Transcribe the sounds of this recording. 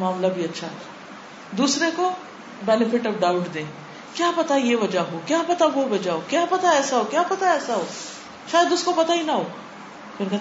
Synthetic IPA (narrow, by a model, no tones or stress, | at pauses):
mãːmlabʱiɐtːʃʰaɦɛ̰ː | d̪uːsɾeko | bɛːnɪfɪʈɔʋɖaːʊʈd̪ẽː | kjaːpɐt̪ajeʋɐd͡ʒaɦokjaːpɐt̪aʋoʋɐd͡ʒaɦoːkjaːpɐt̪aɛːsaɦokjaːpɐt̪aɛːsaɦoː | ʃaːjəd̪ʊskopɐt̪aɦinɐɦoː | keɾkɛ